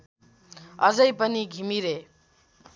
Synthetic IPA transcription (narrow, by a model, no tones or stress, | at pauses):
ʌd͡zʌjpʌniɡʱimiɾe